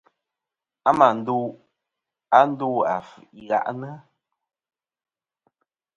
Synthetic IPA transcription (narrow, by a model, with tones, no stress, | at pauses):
a˦ma˨n̩˦du˦ | a˦n̩˦du˦a˨fʔi˦ɣa̰˦ʔnə˦